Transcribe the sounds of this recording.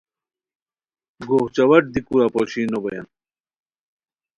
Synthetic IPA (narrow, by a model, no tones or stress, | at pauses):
ɡoht͡ɕɐwɐʈ̚d̪ikuɾapoɕiːnobojɐ̰n